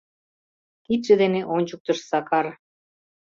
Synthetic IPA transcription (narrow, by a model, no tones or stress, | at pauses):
kit̪̚ʒ̥ɘ̆d̪eneʔonʲt͡ɕuk̚t̪ɤ̆ʃsɑkɑr